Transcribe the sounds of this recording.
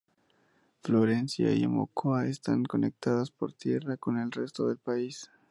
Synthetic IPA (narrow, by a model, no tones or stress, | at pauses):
flo̞ɾe̞nsja̰ḭḛmo̰kʰoaest̪aŋko̞nek̚t̪aðaspo̞̰ɾt̪je̞rako̞ne̞lre̞st̪o̞ðe̞lpais